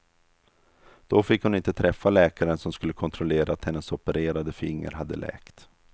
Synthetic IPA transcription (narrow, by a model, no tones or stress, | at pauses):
d̪̥ɔfɪkːhʊnɪnt̪ət̪ʰɾɛfːalɛːkaɾənsɔmskɵlːəkʰɔnt̪ʰɾɔleːɾaːt̪hɛnːəsɔpəɾeːɾad̪əfɪŋːə̰ɾɦad̪ːə̰lɛ̰ːkt̪